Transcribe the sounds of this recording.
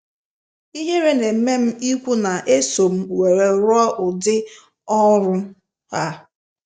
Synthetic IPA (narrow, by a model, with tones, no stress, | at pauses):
i˦ɦe˦ɾe˦ne˨m̩˦me˦m̩˦i˦kʷu˦na˨ʔe˦so˨m̩˦we˨ɾe˨ɾʊ˦ɔ˦ʔʊ˨dɪ˦ | ɔ˦ɾʊ˦ | a˦